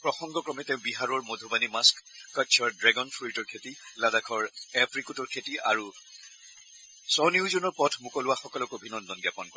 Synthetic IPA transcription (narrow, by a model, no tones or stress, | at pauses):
pɹɔxɔŋɡɔkɹɔmɛteʊ̃biɦaɹɔɹmodʱubanimaskːat͡ʃʰɔɹdɹɛɡɔnfʰitɔɹkʰetiladakʰɔɹɛpʰɹikutɔɹkʰetia̰ɹu | sɔniʊzunɔɹpɔtʰmukɔlʊwaxɔkɔlɔkobʱinɔndɔnɡapɔnkɔ